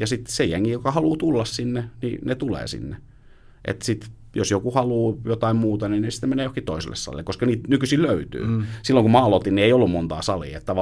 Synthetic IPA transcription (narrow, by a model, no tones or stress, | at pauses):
jɑsit̪sejæŋːijokɑhɑluːt̪ulːɑssinːenḭnet̪ulḛːsḭnːe | ʔḛt̪sit̪ | josjokuhɑluːjot̪ɑimmuːt̪ɑninesi̥t̪nemeneːjohkiht̪oisḛlːḛssɑ̰lḭlːekoskɑniːt̪nykysiːlløyt̪y̰ːsilːoŋkumɑlot̪inieiolːummont̪ɑ̰ːsɑlḭːḛt̪t̪ːæʋɑ